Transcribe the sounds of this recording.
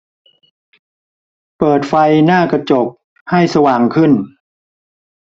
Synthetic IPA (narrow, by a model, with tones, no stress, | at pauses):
pɤː˨˩t̪̚fa˧jnaː˥˩kɾa˧t͡ɕo˨˩p̚ | ha˥˩jsa˧waː˨˩ŋkʰɯ˥˩n